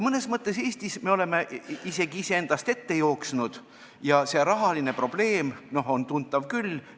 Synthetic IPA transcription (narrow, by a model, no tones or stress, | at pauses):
mɤne̞smɤt̪ˑːe̞se̞ːsʲt̪isme̞o̞le̞meʔise̞ɡiise̞end̪̥ɑst̪e̞t̪ːe̞jo̞ːksnud̪̥ | jɑse̞ɾɑɦɑline̞pro̞b̥le̞ːmno̞ɦo̞nt̪unt̪ːˑɑvkyl